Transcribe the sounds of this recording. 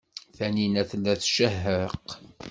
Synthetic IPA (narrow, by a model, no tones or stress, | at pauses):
θæninæθəlːæθʃəɦːəq